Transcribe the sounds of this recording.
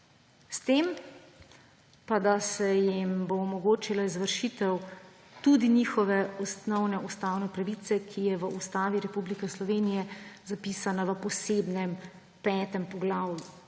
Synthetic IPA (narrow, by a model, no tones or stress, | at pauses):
st̪eːm | pad̪asɛjimboːmɔɡoːt͡ʃilaizʋəɾʃit̪ɛw | t̪ud̪inixɔʋɛɔsnɔwnɛust̪aːwnɛpɾaʋit̪sɛkʰijɛʋəʔust̪aːʋiɾɛpublikɛslɔʋeːnijɛzapiːsanaʋəpɔseːbnɛm | pɛːt̪ɛmpɔɡlaːwju